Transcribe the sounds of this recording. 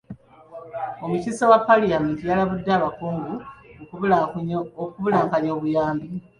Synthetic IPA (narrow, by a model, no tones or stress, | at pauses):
omucisawapːalijamintijalaβudːaːβakuːŋɡu | okuβulaːŋkaɲjo̞ːβujaːmbi